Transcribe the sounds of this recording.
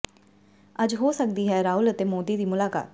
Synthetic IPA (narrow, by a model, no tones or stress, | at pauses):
əd͡ʒɦoːsək̚d̪iːɦɛːɾaːʊlət̪eːmoːd̪iːd̪iːmʊlaːka̰ːt̪